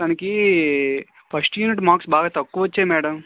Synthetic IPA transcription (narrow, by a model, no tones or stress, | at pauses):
kaːnki | pʰɐsʈjuːniʈ̬maːksbʱaːɡat̪ɐkːuʋɐtːt͡ʃemɛːɽɐm